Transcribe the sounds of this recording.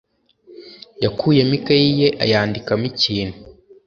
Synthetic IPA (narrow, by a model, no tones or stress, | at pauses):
jakʰuːje̞mikajije̞ʔa̰jaːndikamiciːnhu